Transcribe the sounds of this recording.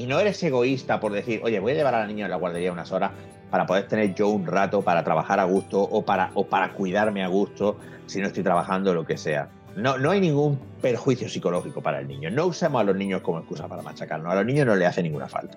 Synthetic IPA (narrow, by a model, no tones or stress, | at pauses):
ino̞eɾe̞se̞ɣ̞o̞ist̪apo̞ɾðe̞θiɾʔo̞ʝe̞βo̞jaʎe̞βaɾalanĩɲoelaɣwaɾðe̞ɾiaunaso̞ɾah | paɾapoðe̞ɾt̪e̞ne̞ɾʝo̞unrat̪o̞paɾat̪ɾaβaxaɾaɣ̞ust̪oʔopaɾa̰ʔopaɾa̰kwiðaɾmeaɣ̞ust̪o̞ | sinoest̪ojt̪ɾaβaxand̪olo̞ke̞se̞a̰ | no̞no̞ajnĩŋɡum | pe̞ɾxwiθjosiko̞lo̞xiko̞paɾa̰e̞̰lnḭ̃ɲo̞no̞usemosalo̞znĩɲo̞hko̞moe̞skusapaɾama̰t͡ʃakaɾnosalo̞ɦnĩɲo̞ɦnole̞aθenːĩŋɡuna̰fa̰lt̪ḁ